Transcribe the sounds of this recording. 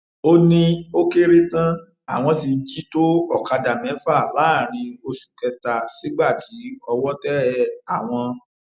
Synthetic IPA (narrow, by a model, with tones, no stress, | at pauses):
o˦nĩ˦o˦ke˦ɾe˦tã˦ | a˨w̃ɔ̃˧t̬i˧n̩˦d͡ʒi˦to˦ɔ˦˨ka˧da˨mɛ̃˨˦fa˦˨la˨˦˨ɾ̃ĩ˧o˧ʃu̥˨kɛ˧ta˨si˨˦ɡ͡ba˦˨ti˨˦ɔ˧wɔ˦tɛ˦ɛ˦a˦˨w̃ɔ̃˧